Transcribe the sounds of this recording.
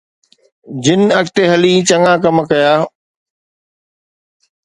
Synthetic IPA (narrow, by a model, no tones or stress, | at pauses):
d͡ʑɪnɐkt̪eɦɐliːt͡ɕɐŋaːk̬ɐmkɐjaː